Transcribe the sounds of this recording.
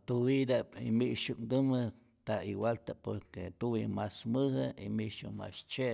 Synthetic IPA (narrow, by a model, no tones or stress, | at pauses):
t̪uwid̪apimiʔʃukd̪ɨmɨ | t̪aiwalt̪apoɾket̪uwimasmɨhɨimiʔʃṵma̰st͡ʃeʔ